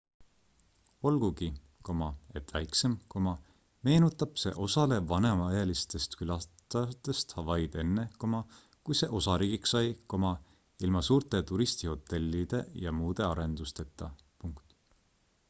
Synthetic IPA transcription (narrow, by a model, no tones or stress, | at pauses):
o̞lɡ̥uɡi | ko̞mɑe̞t̪væjkse̞mko̞mɑ | me̞ːnut̪ːˑɑb̥se̞̰ʔo̞sɑle̞vɑnemɑɑjɑlist̪e̞st̪kylɑt̪ɑt̪e̞st̪ɑvɑjd̪̥e̞nːe̞ko̞mɑ | kujse̞ʔo̞sɑɾiːɡ̥iksɑjko̞mɑ | ilmɑsuːɾt̪ˑe̞t̪uɾist̪iho̞t̪ːˑe̞lʲːid̪̥e̞jɑmuːd̪̥e̞ɑɾe̞nd̪̥ust̪e̞t̪ːˑɑ | puŋkt̪